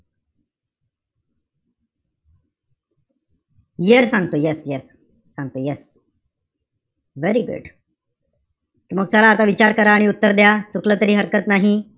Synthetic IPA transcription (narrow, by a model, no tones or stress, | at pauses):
jiəɾsãŋɡt̪ojɛsjɛsː | ãŋɡ̚t̪ojɛs | ʋeɾiɡṵɖ | t̪um̤əɡ̚t͡salaːt̪aʋit͡ɕaɾkəɾaːɽ̃iut̪ːəɾd̪jat͡suklət̪əɾiːɦəɾkət̪naɦi